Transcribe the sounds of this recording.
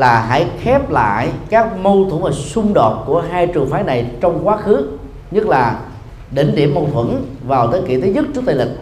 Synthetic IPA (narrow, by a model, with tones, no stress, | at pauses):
laː˨˩ɦa̰˧˥˦jxɛ˦˥p̚la̰ː˧˨jkaː˦˥k̚mo˧wt̪ʰṵ˧˩˦vaː˨˩sʊ˧ŋ͡mɗo˨˩t̚ku˧˩əɦaː˧jt͡ɕɨ˨˩əŋfaː˨˦jna˨˩jt͡ɕɔ˧wŋ͡mkwaː˨˦˥xɨ˨˦ | ɲɨ˦˥t̚laː˨˩ | ɗe˧˩nɗḭ˧˩əmːə˧wt̪ʰwə̰˧˥nvaː˨˩wt̪əː˨˦kḭ˧˨˩t̪ʰi˨˦ɲɨ˦˥t̚t͡ɕːɨ˦˥k̚t̪ːlï˨˩k̚